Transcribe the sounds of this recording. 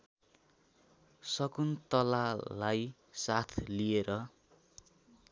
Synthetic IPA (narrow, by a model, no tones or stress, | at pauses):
sʌkunt̪ʌlalaj | sat̪ʰlieɾʌ